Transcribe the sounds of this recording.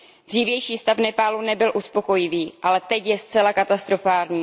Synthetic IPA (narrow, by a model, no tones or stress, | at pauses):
d̪r̝̥iːvjɛjʃiːst̪afnɛpaːlunɛbɪlʔuspo̞ko̞jɪviːʔalɛt̪ɛcjɛstt͡sɛlakat̪ast̪ɾo̞faːlɲiː